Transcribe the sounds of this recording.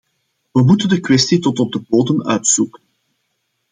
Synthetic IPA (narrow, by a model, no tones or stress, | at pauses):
ʋəmutəndəkwɛstitɔtɔb̚dəboːdənœ̰ɥtsukən